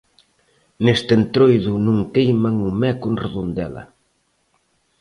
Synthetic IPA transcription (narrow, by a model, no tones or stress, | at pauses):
nest̪ent̪ɾojðʊnuŋkejmaŋumɛkʊnreðond̪ɛlɐ̰